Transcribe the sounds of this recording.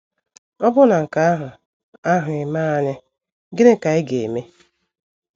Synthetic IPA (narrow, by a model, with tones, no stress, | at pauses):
ɔ˦bʊ˦na˨ŋ̩˨ka˨a˦ɦʊ˨ | a˦ɦʊ˨ɪ˨ma˦a˦ɲɪ˦ | ɡɪ˦ne˦˨ka˨ɪ˦ɡe˨e˨me˦